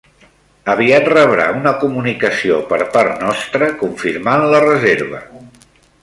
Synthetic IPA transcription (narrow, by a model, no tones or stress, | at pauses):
əβ̞iat̪rəβɾa̰unəkumunikəsiopəɾpaɾt̪nɔst̪ɾəkuɱfiɾmanlərəzeɾβə̰